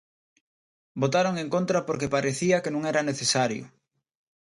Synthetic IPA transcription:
bot̪aɾoŋeŋkont̪ɾɐpoɾkepaɾeθiɐkenõŋɛɾɐneθesaɾjʊ̰

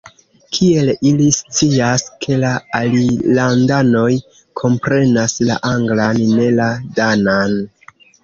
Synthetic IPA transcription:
kʰie̞lilist͡siaskʰe̞laalilandano̞j | kʰo̞mpɾe̞nasla̰ʔaŋɡlanːe̞ladanan

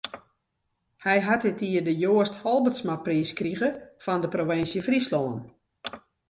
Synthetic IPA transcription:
hɛjɦatɪtiədəjoːəsthɔlˠbətsmapriːskriɣəfɔndəproʋɪnsjəfrisloːən

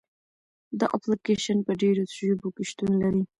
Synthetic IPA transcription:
d̪əʔaplɪkeʃanpəɖeɾosʒubokɪʃt̪unlaɾi

